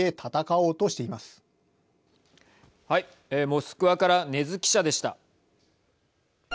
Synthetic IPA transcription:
e̞t̪ʰat̪akao̞ːt̪o̞ɕi̥t̪e̞imasɨ̥ | hai | eːmo̞ːsɨ̥kɯ̟βakaɾane̞zɨkʲi̥ɕad̪e̞ɕi̥t̪a̰

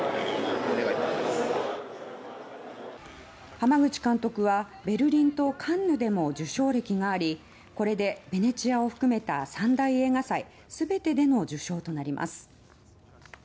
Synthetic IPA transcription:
eɡait̪aas | hamaɡɯ̟t͡ɕi̥kãnt̪o̞kɯ̟βa | be̞ɾɯ̟ɾʲĩnt̪o̞kʰãnːɯ̟d̪e̞mo̞d͡ʑɨɕo̞ːɾe̞kʲiɡaːɾʲi | ko̞ɾe̞d̪e̞be̞ne̞t͡ɕiao̞ɸɯ̟̥kɯ̟me̞t̪a̰sãnd̪aie̞ːɡasai | sɨbe̞t̪e̞d̪e̞no̞d͡ʑɨɕo̞ːt̪o̞naɾʲimʔa̰sɨ̥

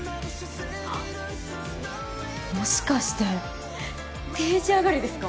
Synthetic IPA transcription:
a | moɕi̥kaɕi̥t̪a | t̪eːʑiaɡaɾed̪e̞sɨ̥ka

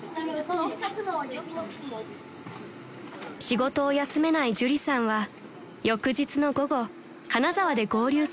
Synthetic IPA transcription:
ɕiɡo̞t̪o̞ːjasɨme̞naiʑɨɾʲisãɰ̃βa | jo̞kɯ̟ʑit͡sɨno̞ɡo̞ɡo̞ | kanazaβad̪e̞ɡo̞ːɾʲɨː

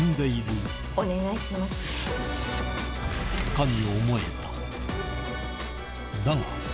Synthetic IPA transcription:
nd̪eiɾɯ̟ | one̞ɡaiɕimasɨ̥ | kamʲiomo̞eba̰ | d̪aŋa̰

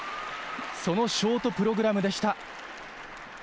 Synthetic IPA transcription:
so̞no̞ɕo̞ːt̪o̞pɯ̟ɾo̞ɡɯ̟ɾamɯ̟d̪e̞ɕi̥t̪a

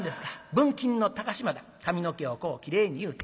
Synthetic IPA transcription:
d̪e̞sɨ̥kabɯ̟̃ŋkʲĩnːo̞t̪aɡaɕimad̪a | kamʲino̞ke̞o̞ko̞ːkʲiɾe̞ːɲ̟ijɯ̟ːt̪

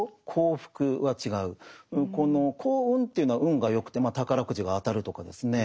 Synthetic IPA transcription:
kʰo̞ːɸɯ̟̥kɯ̟βat͡ɕiɡaɯ̟ɯ̟̃ko̞no̞kʰo̞ːɯ̟̃nt̪e̞jiɯ̟noaʔɯ̟̃ŋɡajo̞kɯ̟t̪ːemaːt̪akaɾakɯ̟ʑiɡaːt̪aɾɯ̟t̪o̞kad̪e̞sɨne̞

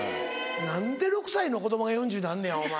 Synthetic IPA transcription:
nãnd̪e̞ɾo̞kɯ̟̥saino̞ko̞d̪o̞moɡajõɲ̟d͡ʑɨːnãnːẽjoma

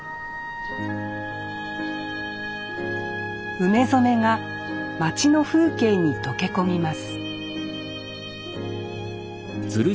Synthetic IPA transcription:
ɯ̟me̞zo̞me̞ŋa | mat͡ɕino̞ɸɯ̟ːke̞ːɲ̟it̪o̞ke̞ko̞mʲimasɨ̥ | d͡zɨɾɯ

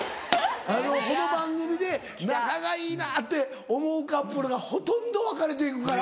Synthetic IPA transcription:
ano̞ko̞no̞bãŋɡɯ̟mʲid̪e̞ | nakaɡaiːnaːt̪ːe̞ | omo̞ɯkapːɯɾoɡaho̞t̪õ̞nd̪o̞βakaɾe̞t̪̬e̞ikɯ̟kaɾa

